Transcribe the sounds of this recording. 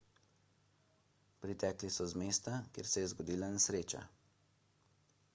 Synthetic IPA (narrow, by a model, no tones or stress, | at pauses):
pɾit̪ɛːklisɔzmeːst̪akjḛːɾsɛjɛzɡɔd̪iːlanɛsɾeːt͡ʃa̰